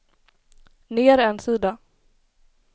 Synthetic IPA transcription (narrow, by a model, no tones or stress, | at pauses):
neːɾɛnsiːd̪a